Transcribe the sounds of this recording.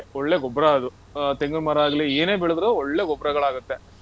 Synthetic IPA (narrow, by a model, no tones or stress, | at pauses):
ɔɭːe̞ːɡɔbɾaɐd̪u | t̪eŋɡɐɭmɐːɾaːɡɐlieːneːbiɭud̪ɾoːɔɭːeɡɔbɾɐɡɐɭaːɡut̪ːe̞